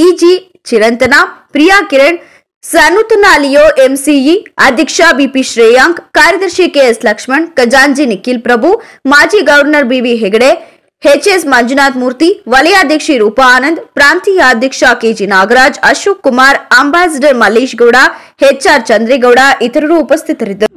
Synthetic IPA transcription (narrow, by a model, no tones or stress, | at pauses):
id͡ʒiː | t͡ʃiɾɐnt̪ɐnaːpɾijaːkiɾɐɳ | sɐnut̪ɐnaːlijoːʔemsiiɐd̪ʱɐkʂaːbiːpiʃɾeːjaːŋkkaːɾjɐd̪ɐɾʃikeːslɐkʂmɐɳɖkɐd͡ʒaːnd͡ʒinikilpɾɐbʱumaːd͡ʒiːɡɐʋɐɾnɐɾbiːʋiɦeɡɐɽe | het͡ʃeːsmɐɲd͡ʒunaːt̪muːɾt̪iʋɐlɐjaːd̪ʱjɐkʂiɾuːpaaːnɐnd̪pɾaːnt̪ijaːd̪ʱjɐkʂakeːd͡ʒiːnaːɡɾaːd͡ʒɐʃuːkːumaːɾɐmbaːs̬ɐɖɐɾmɐliːʃɡɐwɽaː | het͡ʃaːɾt͡ʃɐnd̪ɾiɡɐwɽaːʔit̪ɐɾɐɾuːpɐst̪ʰit̪ɐɾid̪ɐɾu